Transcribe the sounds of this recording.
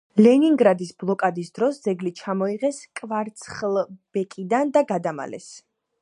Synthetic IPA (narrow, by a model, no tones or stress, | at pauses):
lɛniŋɡɾad̪isblˠɔkʼad̪isd̪ɾɔsd̪zɛɡlit͡ʃʰamɔiʁɛskʼvaɾt̪sʰχlˠb̥ɛkʼid̪and̪aɡad̪ama̰lɛ̰s